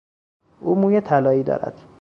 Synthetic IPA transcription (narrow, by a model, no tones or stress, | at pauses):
uːmuːjet̪ʰælɒːiːd̪ɒ̰ːɾæ̰d̪̥